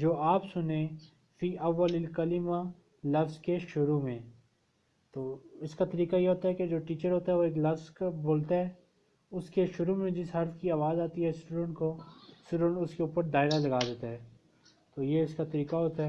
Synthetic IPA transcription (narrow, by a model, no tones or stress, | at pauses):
d͡ʒoːʔaːpsʊnẽ | fiːʔɐʋːəlɪlkɐlɪma | lɐfzkeʃʊɾumẽ | t̪oːɪskat̪ɐɾiːkajeɦoːt̪aɦɛked͡ʒoːʈiːt͡ʃəɾɦoːt̪aɦɛʋoeːklɐfzkboːlt̪aɦɛː | ʊskeʃʊɾumẽd͡ʒɪsɦɐɾt̪kiaːʋaːzaːt̪iɦɛsʈuːɖə̃ɳʈkosʈuːɖə̃ɳʈʊskeuːpəɾd̪aːɪɾalɐɡaːd̪eːt̪aɦɛː | t̪oːjeɪskat̪ɐɾiːqaɦoːt̪aɦɛ